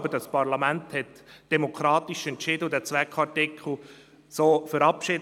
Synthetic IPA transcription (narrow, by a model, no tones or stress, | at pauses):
bədɑspɑɾlɑmænthɛtd̥ɛmokʰɾɑːt̪iʃɛntt͡ʃɪdədɛːt͡sʋɛkχɑɾtɪkʰl̩ˠ | soːfəɾɑpʃɪd